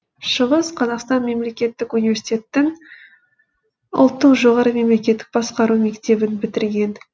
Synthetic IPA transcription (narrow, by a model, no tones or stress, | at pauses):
ʃəʁəsqʰɑzɑqst̪ɑnme̞mle̞kʲe̞t̪ːɪkunivesi̥t̪ʲe̞t̪ːɪŋ | ʊ̰lˠt̪ːəqʒo̞ʁɑɾəme̞mle̞kʲe̞t̪ːɪ̥k̚bɑsqɑɾume̞kt̪e̞bɪnbɪt̪ɪɾɡʲe̞n